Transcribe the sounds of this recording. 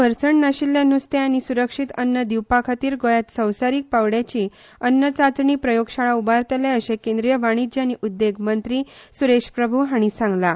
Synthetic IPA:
əɾsəɳnaɕilːjãnust̪eañisuɾəkʂit̪ənːəd̪iwpakʰat̪iːɾɡojat̪səwsaɾiːk̚pawɽjat͡ɕi | ənːət͡sat͡sɳiːpɾəjoɡɕaɭaubaɾt̪aljaəɕekẽnd̪ɾijəʋaɽ̃id͡ʑaniʔud̪ːeɡmənt̪ɾiː | suɾeɕpɾəbʱuɦaɽ̃isãŋɡla

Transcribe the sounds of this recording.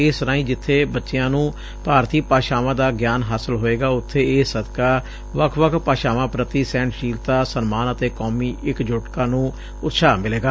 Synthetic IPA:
ɪːst̪əɾaːĩːd͡ʒɪt̪ʰːeːbətːʃejãːnũː | paːɾt̪iːpaːʃaːʋãːd̪aːɡjaːnɦaːsəlɦoːeːɡaːʊt̪ʰːeːeːsːəd̪kaː | ʋəkʰʋəkʰpaːʃaːʋãːpɾət̪iːsɛ̃ːɳʈʃiːlt̪aːsənmaːnət̪eːkɔːmiːɪkd͡ʒoːʈkaːnũː | ʊt̪ːʃʰaːmɪleːɡaː

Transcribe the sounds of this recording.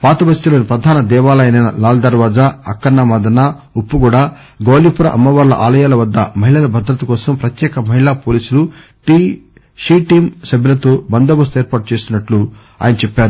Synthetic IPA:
paːt̪ɐbɐst̪iloːnipɾɐd̪ʱaːnɐd̪ɛːʋaːlɐjɐnɐnɐ̰laːld̪ɐɾʋaːd͡ʒaːɐkːɐnːamaːd̪ɐna | upːuɡuːɽaː | ɡoːlipuɾɐʔɐ̰mːɐʋaːɾlɐ̰ʔaːlɐjaːlɐʋɐd̪ːɐmɐɦiɭɐlɐbʱɐd̪ɾɐt̪ɐkɔːsɐmpɾɐt̪jɛːkɐmɐɦiɭapoːliːsuluʈiː | ʂiːʈiːmsɐbːilɐt̪oːbɐnd̪ɐbɐs̬t̪uɛːɾpaːʈut͡ʃe̞ːst̪inːɐʈlu | a̰ːjɐnɐt͡ʃɛpːaːɾu

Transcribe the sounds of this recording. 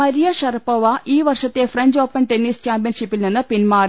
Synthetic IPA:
ɐɾijɐʂɐrɐpːɐʋɐʔiːʋɐrʂɐt̪ːefreɲd͡ʑoːpːɐnʈenːiːskʲaːmpijɐnʂipːilninːɨpinmaːr

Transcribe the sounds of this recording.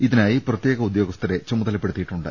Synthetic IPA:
iðinaːjiprɐt̪je̞ːɡɐud̪jo̞ːɡɐst̪ʰɐɾe̞t͡ɕɐmːuðɐlɐpːe̞ɽut̪ːiʈːuɳɖɨ̰

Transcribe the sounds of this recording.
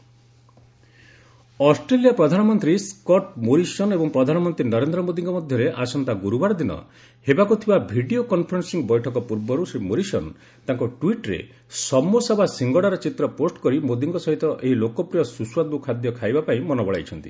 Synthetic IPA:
ɔsʈɾelijapɾɔd̪ʱanɔmɔnt̪ɾiskɔʈmoɾisɔnebɔŋpɾɔd̪ʱanɔmɔnt̪ɾinɔɾend̪ɾɔmod̪iŋkɔmɔd̪ʱjɔɾeʔasɔnt̪aɡuɾubaɾɔd̪inɔ̰ | hebakut̪ʰibabʱiɖiokɔnpʰɔɾɔnsiŋbɔjʈʰɔkɔpuɾbɔɾusɾimoɾisɔn | t̪aŋkɔʈwiʈɾḛ | sɔmːusɔbʱasiŋɡɔɽaɾɔt͡ʃit̪ɾɔposʈkɔɾimod̪iŋkɔsɔɦit̪ɔʔeɦilokɔpɾijɔsusuwad̪̚bukʰad̪jɔkʰajbapaĩmɔnɔbɔɭa̰jt͡ʃʰɔnt̪ḭ

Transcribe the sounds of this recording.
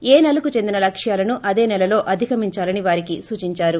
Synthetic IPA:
e̞ːnɐlukut͡ʃe̞nd̪inɐlɐkʂjaːlɐnuʔɐd̪e̞ːnɛlɐlo̞ːʔɐd̪ʱikɐmiɲt͡ʃaːlɐniʋaːɾikisuːt͡ʃiɲt͡ʃaːɾu

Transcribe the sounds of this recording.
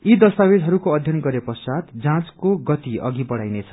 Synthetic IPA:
id̪ʌst̪awed̪ɦʌɾukoʌd̪ʱjʌnɡʌɾepʌsad̪d͡zãt͡skoɡʌt̪iʌ̰ɡibʌɽajnet͡sʰʌ̥

